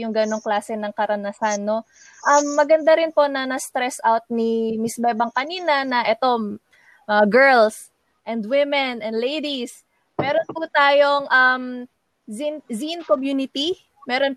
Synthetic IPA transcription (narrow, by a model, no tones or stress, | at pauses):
jʊŋɡɐno̞ŋklaːsɛnɐŋkɐɾɐnɐsanːo̞ | ʔɐmːɐɡɐnd̪aɾɪnpo̞nɐnɐst̪ɾɛsʔawt̪̚nimɪsbɛbɐŋkɐniːnɐnɐʔɛt̪o̞ | mɐɐɐɡɛɹls | ʔɛnd̪wɪmɛnɐnd̪lejd̪is | mɛːɾo̞nput̪aːjo̞ŋʔɐm | zinzinkomjuːnɪt̪i | mɛːɾo̞n